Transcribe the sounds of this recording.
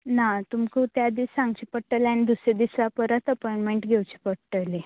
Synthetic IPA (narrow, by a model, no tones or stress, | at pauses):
nat̪umkʰut̪jad̪iːsaŋɡt͡ɕipəʈːəlanid̪usɾed̪isʋapəɾət̪əpɔiɳʈmeɳʈɡʱewt͡ɕi̥pəʈəle